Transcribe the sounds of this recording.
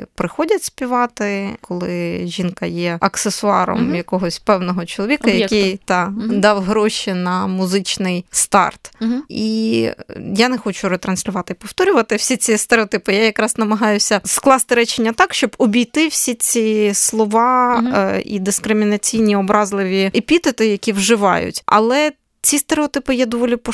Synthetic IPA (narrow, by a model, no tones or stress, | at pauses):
pɾɪxɔdʲɐtʲsʲpʲiʋɑt̪ɪkɔlˠɪʒʲinkɐjɛɐksesʊɑ̰ɾɔ̰mjɐkɔɦɔsʲpɛwnɔɦɔt͡ʃɔlˠɔʋʲikɐjɐkɪjt̪ɑd̪ɑwɦɾɔʃinɐmʊzɪt͡ʃnɪjst̪ɑ̰rt̪i | janɛxɔt͡ʃʊɾet̪ɾɐnʲsʲlʲʊʋɑt̪ɪipɔwt̪ɔɾʲʊʋɐt̪ɪwsʲit͡sʲist̪eɾeɔt̪ɪpɪjajɐkɾɑznɐmɐɦɑjʊsʲɐsklˠɑst̪ɪɾɛt͡ʃenʲːɐt̪ɑkʃt͡ʃɔbɔbʲijt̪ɪwsʲit͡sʲislˠɔʋɑ | ḭd̪ɪskɾɪmʲinɐt͡sʲijnʲiɔbɾɑzlˠɪʋʲiepʲit̪et̪ɪjɐkʲiwʒɪʋɑ̰jʊ̰tʲʔɐ̰lˠɛ | t͡sʲist̪eɾeɔt̪ɪpɪjɛd̪ɔʋɔlʲipɔ